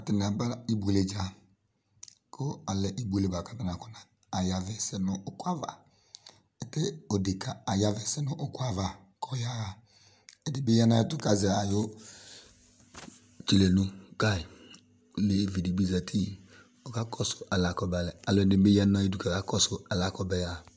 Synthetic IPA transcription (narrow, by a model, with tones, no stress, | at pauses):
a˨tɪ˨n˨a˨ba˦i˦bu˨e˨le˨d͡ʒa˨ | kʰo˦a˨lɛ˨ʔi˦bu˦e˦˨le˨ba˨ka˦ta˨na˨kɔ˦naː˨ | ja˨vɛ˨sɛ˦nʊ˨ʔʊ˦kʷa˦va̰˨ | ɛ˨tɛ˦o˨de˨ka˨a˨ja˦vɛ˨sɛ˦nʊ˦ʔʊ˦kwa˦va˨ | kʰɔ˨ja˦a˨ | ɛ˨˦dɪ˨bɪ˦ja˦na˦ɛ˦tʊ˦ka˨zɛ˨a˨jo˦ | t͡ʃi˨le˨nu˦ka˦˨i˨ | le˨vi˨di˨bi˦za˨tʰi˦ | o˨ka˦kɔ˦sʊ̥˨ʔa˨la˨kɔ˨ba˨lɛ˨a˨lɔ˨˦dɪ˨bɪ˦ja˦na˦i˦du˦˨ka˨ka˦kɔ˦sʊ˨a˨la˦kɔ˨bɛ˦ja˨